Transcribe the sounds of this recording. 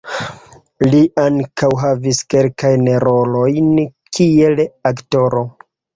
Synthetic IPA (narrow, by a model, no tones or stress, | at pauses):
liʔaŋkawɦaviske̞lkajneɾo̞lo̞jn | kʰie̞lakto̞ɾo̞